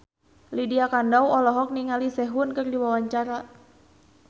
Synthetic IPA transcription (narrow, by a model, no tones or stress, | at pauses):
lidiakandawɔlɔɦɔk̚niŋalisɛɦʊnkɨrdiwawaɲt͡ʃaɾa